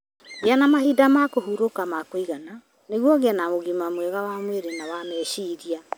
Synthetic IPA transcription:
ɡjanamahidamakohuɾokamakoiɣana | neɣwɔɣeanamoɣimamwɛɣawamweɾenawamɛʃiːɾia

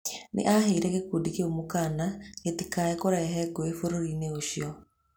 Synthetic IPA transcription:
nḛʔaheɾɛkekudikeomokanaetekaɛkoɾɛɦɛɡoefoɾoɾineoɕiɔ

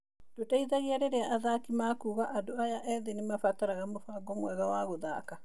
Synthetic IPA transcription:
totaiðaɣiɛɾɛɾɛaʔaðakimaːkuːɣaʔadoajaʔɛðenimafataɾaɣamofaɡɔmwɛɣawaɣoða̰ːka

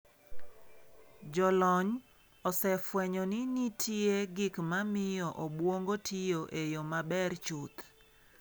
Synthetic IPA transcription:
d͡ʒɔlɔɲ | ɔsɛfwɛɲɔnɪnitʰieɡɪkmamɪjɔʔobwoŋɡotʰijoʔejomabɛrt͡ʃʊt̪

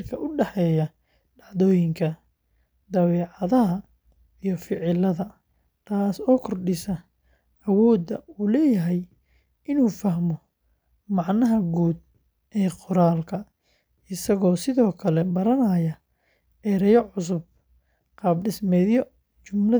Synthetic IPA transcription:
lkʰɐʔʊɖɑħɛːjɐ | ɖɑʕðɔːjɪŋkʰɐ | d̪ɐβɛːʕɑðɐɦɐ | ijɞfɪʕɪlːɐðɐ | t̪ʰaːsɔːkʰɔrɖɪsɐ | ɐwɔːd̪ːɐuːlɛːjɐɦɛj | ʔɪnuːfɐɦmɔ | mɑʕnɐɦɐɡuːd̪ | ʔɛːqʊɾaːlkʰɐ | ɪsɐɣɔːsɪðɔːkʰɐlɛbɐɾɐnɐjɐ | ɛɾɛjɔʕʊs̬ʊb̚ | qɑːbɖɪsmɛːðjɔ | t͡ʃʊmlɐ

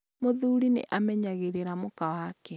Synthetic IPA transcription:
moðuːɾinḛʔamɛɲaɣeɾeɾamokawakɛ

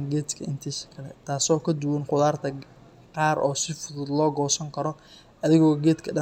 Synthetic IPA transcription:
nɡɛːd̪kʰɐɪnt̪ʰiːʃɐ̥kʰɐlɛt̪ʰaːsɔːkʰɐd̪ʊwɐnqʊðaːrt̪ʰɐ | qɑːɾʔɔːsɪfʊðʊd̪lɔːɡɔːsɐŋkʰɐɾɔ | ɐðɪɣɔːɡɛːd̪kʰɐɖɐ

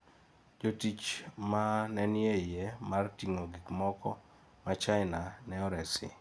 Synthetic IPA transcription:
d͡ʒotit͡ʃmanɛnjeɪjɛmartiŋoɡikmɔkɔ | mat͡ʃaɪnanɛɔɾɛsɪ̰

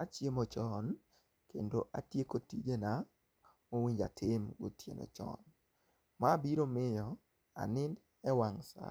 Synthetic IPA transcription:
at͡ʃjemɔt͡ʃɔn | kḛndoʔa̰tjekotid͡ʒena | mowiɲd͡ʒa̰tʰɪmɡo̰tjḛnɔ̰t͡ʃɔ̰n | mabiɾomɪjɔ | a̰nɪnd | ɛwaŋsa̰

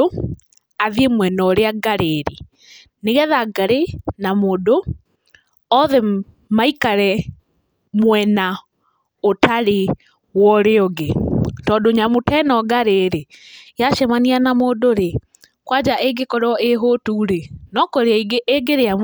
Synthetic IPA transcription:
o | aðiemwɛnɔɾeaɡaɾeɾe | neɣɛðaɡaɾenamoːdo | ɔðɛ | maikaɾɛ | mwɛna | otʰaɾe | wɔɾeɔɡetɔːdoɲamotɛnɔɡaɾeɾejaʃɛmanianamoːdoɾe | kwad͡ʑaʔeɡekɔɾɔeɦotuːɾenɔkɔɾeaiɡʔːɡeɾeam

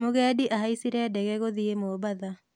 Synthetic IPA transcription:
moɣɛdiʔaɦaisiɾɛdɛɣɛɣoðiemobaða

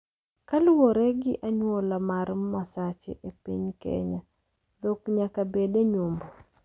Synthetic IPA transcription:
kalwoɾɛɡɪʔaɲwɔlamarmasat͡ʃḛʔepḭɲkɛ̰ɲa | d̪okɲakabedeɲombo

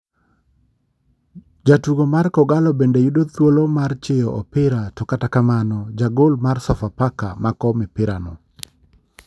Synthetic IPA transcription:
d͡ʒatuɡomarkɔɡalɔbendejudot̪wolomart͡ʃɪjɔʔɔpɪɾatɔkatakamanɔd͡ʒaɡolmarsɔfapakamakɔmɪpɪɾanɔ

